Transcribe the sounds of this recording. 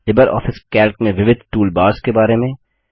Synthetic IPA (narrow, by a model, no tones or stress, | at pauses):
lɪbəɾʔɔ̰ːfɪskɛːlkmẽʋɪʋɪd̪ʱʈuːlbaːɾskebaːɾemẽ